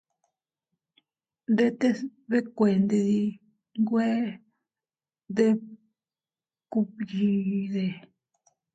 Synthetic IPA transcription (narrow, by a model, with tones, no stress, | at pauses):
nd̪e˦t̪e˦βe˦kʷe˨nd̪e˧ði˧ | ŋɡwe˦ | d̪e˦ | ku˧pji˧ðe˨